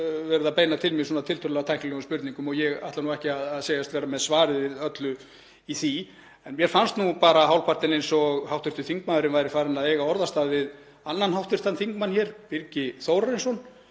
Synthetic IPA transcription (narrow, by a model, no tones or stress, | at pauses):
vɛɾʏðapeːjnat̪ʰɪlmɪsɔːnat̪ʰɪlt̪ʰœllaɣat̪ʰajhknlœɣʏspʏɾt̪niŋkʏmɔɣjɛɣa̰ht̪lanuwɛhcɪaðaðseːjast̪vɛːɾamɛðsvaːɾɪðvɪðœt̪lʏ | iθi | ɛnmjɛɾ̥fanst̪nupaːɾaɦawlpʰart̪ɪnejnsɔɣhawht̪ʏɾ̥t̪ʏθiŋkmaːðʏɾɪmvajɾɪfaːɾɪnaðejɣaɔɾðast̪aːðvɪð | anːanhawht̪ʏr̥t̪anθiŋkmançɛːɾ̥pɪɾcɪθowɾaɾɪnsɔn